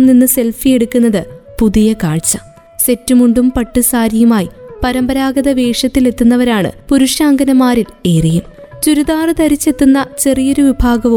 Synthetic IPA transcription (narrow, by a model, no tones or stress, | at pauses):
mninːɨse̞lfije̞ɽukːunːɐðɨpuðijɐkaːɭt͡ɕːɐ | se̞tːumuɳɖumpɐʈːusaːɾijumaːjipɐɾɐmbɐɾaːɡɐðɐʋe̞ːʂɐt̪ːile̞t̪ːunːɐʋɐɾaːɳɨ̰puɾuʂjaːŋɡɐnɐmaːɾile̞ːrijum | t͡ɕuɾuðaːrɨt̪ɐɾit͡ɕːe̞t̪ːunːɐt͡ɕe̞rijo̞ɾuʋibʱaːɡɐʋu